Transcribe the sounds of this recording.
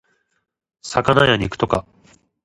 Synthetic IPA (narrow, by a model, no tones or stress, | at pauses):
sakanajaɲ̟ikɯ̟̥t̪oka̰